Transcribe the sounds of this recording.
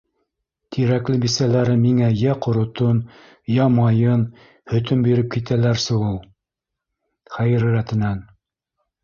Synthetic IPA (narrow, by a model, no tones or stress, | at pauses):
t̪ʰiɾæklɘbisælæɾɘmiŋæjæqŏɾŏt̪on | jɑmɑjɤn | hɵ̆t̪ɵmbiɾɘp̚kit̪ælæɾsuʁulˠ | χæjɾɘ̆ɾæt̪ɘ̆næn